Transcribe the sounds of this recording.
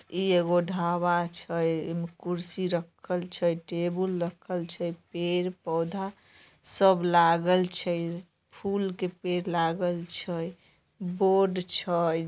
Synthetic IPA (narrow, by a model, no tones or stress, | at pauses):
ieɡoɖʱaβat͡ʃʰəjmekuɾsiɾəkʰəlt͡ʃʰəjʈebəlːəkʰəlt͡ʃʰəjpeɾpəwd̪ʱa | səblaɡəlt͡ʃʰəj | pʰulkepeɾlaɡəlt͡ʃʰəj | boɖt͡ʃʰəj